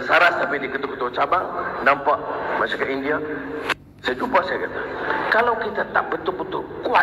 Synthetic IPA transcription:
saɾasapidikət̪ukət̪ut͡ʃabaŋnampaʔmasakaʔindia | sajd͡ʒupasajakat̪akalawkit̪at̪a̰ʔ̚bət̪ʊʔ̚bət̪ʊʔkua

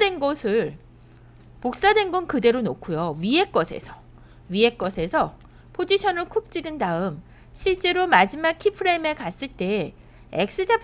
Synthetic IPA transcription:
dwenɡʌsʰɯɭ | pok̚s͈adwe̞nɡʌnkɯde̞ɾonokʰujoɥie̞k͈ʌsʰe̞̰sʰʌ | ɥie̞k͈ʌsʰe̞sʰʌ | pʰod͡ʑiɕʰʌnɯɭkʰuk̚t͡ɕ͈iɡɯndaɯm | ɕʰiɭt͡ɕ͈e̞ɾomad͡ʑimak̚kʰipʰɯɾe̞mekas͈ɯɭt͈e̞ | ḛk̚s͈ɯd͡ʑapʰ

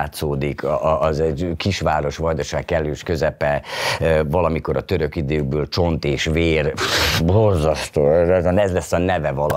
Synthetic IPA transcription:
t̪soːd̪ikʰːzɛɟkiʃʋaːɾo̞ʃʋɒjd̪oʃaːkkːɛlːøːʃkø̞zɛpɛ | vɒlɒmiko̞ɾɒt̪øɾøkid̪øːɡ̚bøːlt͡ʃo̞nt̪eːʃveːrbo̞rzɒst̪oːɛzɔnɛzlɛsːɒnɛvɛvɒlɒ

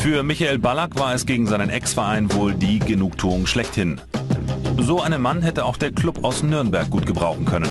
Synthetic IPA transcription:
fyːɐmɪçaeːlbalakv̥aːɐɛsɡ̥eːɡŋ̩zaɪnənʔɛksfɛɐʔaɪnvoːldiːɡənuːk̚tʰuːʊŋʃlɛçthɪn | zoːʔaɪnənmanɦɛtəaʊxd̥eːɐkʰl̥ʊpaʊsnʏɐnbɛɐk̚ɡ̥uːt̚ɡ̥əbʁaʊxn̩kʰœnən

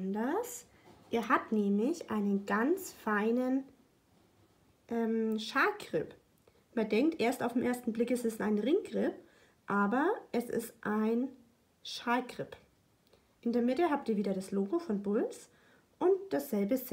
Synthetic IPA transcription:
ndɐs | ʔiːɐɦaptnɛːmlɪçʔaɪnənɡant͡sfaɪnən | ʔɛːmʃaːlkʁ̥ɪp | mandɛŋk̚tʔeːɐstaʊfd̥emʔeːɐstn̩blɪkɛsɪstaɪnʁɪŋɡʁ̥ɪp̚ | ʔaːbɐʔɛsɪ̰stʔaɪn | ʃaːlkʁ̥ɪp | ʔɪndeːɐmɪtəɦaːp̚tiːɐviːdɐɾasloːɡofɔnbʊls | ʔʊnt̚d̥asz̥ɛlbəs

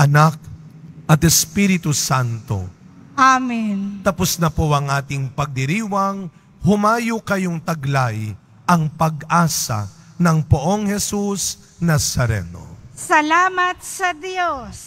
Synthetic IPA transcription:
ʔɐnak̚ʔɐt̪ɛspiɾɪt̪usant̪o̞̰ʔamint̪ɐpʊsnɐpoɐŋʔaːt̪ɪŋpɐɡ̚d̪ɪɾiːwɐŋ | hʊmaːjokɐjoŋt̪ɐɡlaj | ʔɐŋpɐɡaːsɐ̰ | nɐŋpoʔoŋhɛsus | nasɐɾɛ̰no̰sɐlaːmɐt̪̚sɐd̪jos

